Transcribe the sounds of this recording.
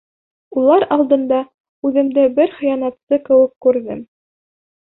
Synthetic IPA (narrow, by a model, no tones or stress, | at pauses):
ulˠɑɾɑlˠd̪ɤ̆nd̪ɑ | ʉðɘ̆md̪æbɘɾχɤ̆jɑnɑt̪sɤkɘ̆wɘ̆kːʉɾðɘm